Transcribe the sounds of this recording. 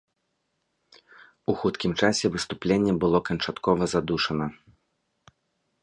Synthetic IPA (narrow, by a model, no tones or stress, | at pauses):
uxut̪kʲimt͡ʂasʲɛvɨst̪uplʲenʲːɛbɨlˠɔkɐnt͡ʂat̪kɔvɐzad̪uʂɐnɐ